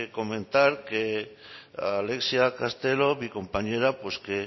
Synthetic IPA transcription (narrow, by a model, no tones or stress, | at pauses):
ko̞mẽ̞nt̪aɾke | ale̞ksjakast̪e̞lo̞βiko̞mpaɲe̞ɾapwe̞ske